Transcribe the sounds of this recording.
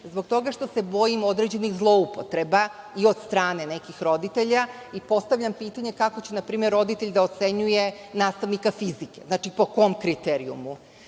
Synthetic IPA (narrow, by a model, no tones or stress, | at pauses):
zbo̞ɡ̚t̪o̞ɡaʃt̪o̞se̞bo̞jimo̞d̪ɾed͡ʑe̞niɣzlˠo̞upo̞t̪ɾe̞ba | io̞d̪st̪ɾaːne̞ne̞kixɾo̞d̪it̪eʎa | ipo̞st̪aʋʎampiːt̪aɲe̞kako̞t͡ɕenapɾiːme̞ɾːo̞d̪it̪eʎd̪aot̪se̞ɲuje̞ | naːst̪aʋnikafizike̞znaːt͡ʂipo̞ko̞mkɾit̪eɾiṵmu